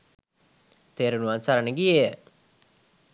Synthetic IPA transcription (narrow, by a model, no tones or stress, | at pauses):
t̪eːɾunuansaɾanəɡieə